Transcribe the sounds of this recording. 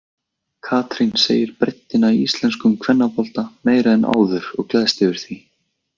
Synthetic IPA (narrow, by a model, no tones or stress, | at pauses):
kʰaːt̪ɾinsḛːjɪɾpɾejt̪ːɪnaiist̪lɛnskʏmkʰvɛnːapɔlt̪ameːjɾaðɛnʔa̰ːwðʏɾɔɣklaːðst̪ɪvɪɾ̥θi